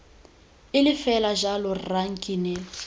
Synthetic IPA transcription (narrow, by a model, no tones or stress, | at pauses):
ɪlɪfɛlaʒalɔraŋ̩kʼinɛl